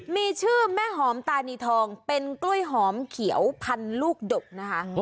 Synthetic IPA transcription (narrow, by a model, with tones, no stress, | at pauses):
miː˧t͡ɕʰɯː˥˩mɛː˥˩ɦɔː˩˦mt̪aː˧niː˧t̪ʰɔː˧ŋpe˧nklu˥˩əjɦɔː˩˦mkʰi˩˦əwpʰa˧nluː˥˩k̚do˨˩k̚na˦˥kʰa˦˥